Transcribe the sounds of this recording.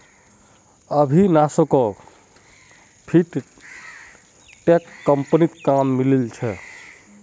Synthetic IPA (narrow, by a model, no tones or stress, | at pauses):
əbʱinasokɔ | pʰiʈ | ʈekːəmpnit̪kamːilelt͡ʃʰɛ